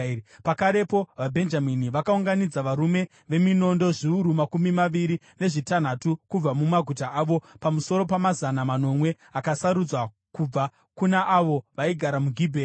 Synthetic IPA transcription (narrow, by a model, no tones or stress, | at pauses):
pakaɾe̞po̞ʋabʱe̞nd͡ʒaminiʋakauŋɡanid͡zaʋaɾume̞ | ʋe̞mino̞ndo̞ʐiuɾumakumimaʋiɾi | ne̞ʐitan̤atukub͡vamumaɡʱutaʔaːʋo̞pamuso̞ɾo̞pamazanamano̞mwe̞ | akasaɾud͡zwa | kub͡va | kunaʔaʋo̞ʋaiɡʱaɾamuɡʱiːbʱe